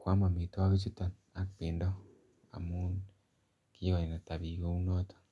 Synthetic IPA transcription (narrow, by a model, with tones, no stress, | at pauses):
kwaː˦ma˨mi˨ta˦βi˦t͡ʃi˦ta˨ | a˦kpe˨nda˦ | a̰˨mu˦n | ki˦wa˨i˨na˨ta˨βiɣo˦u˦no˦tḁ